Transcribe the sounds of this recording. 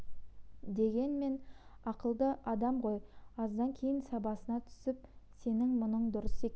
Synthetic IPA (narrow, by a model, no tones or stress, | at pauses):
d̪e̞ɡʲe̞nme̞nɑqəlˠd̪əʔɑd̪ɑmʁo̞jɑzd̪ɑŋkʲʰe̞jɪnsɑbɑsənɑt̪ʰʏ̥sɪp̚se̞nɪŋmʊnəɴd̪ʊɾəse̞kʲ